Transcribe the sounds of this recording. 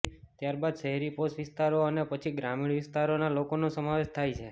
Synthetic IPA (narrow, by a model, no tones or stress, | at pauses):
t̪jaɾbad̪ʃəɦɛɾiposʋɪst̪aɾoənepət͡ʃʰiɡɾamiɽʋɪst̪aɾonalokonosəmaʋeʃt̪ʰajt͡ʃʰe